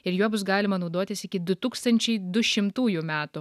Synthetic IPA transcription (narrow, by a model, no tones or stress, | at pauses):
ɪɾjuɔbʊs̬ɡɑːlʲɪmɐnɐʊd̪oːt̪ʲɪsɪkʲɪd̪ʊt̪uːkst̪ɐnʲt͡ʃʲɛɪd̪ʊʃʲɪmt̪uːjumʲæːt̪ʊ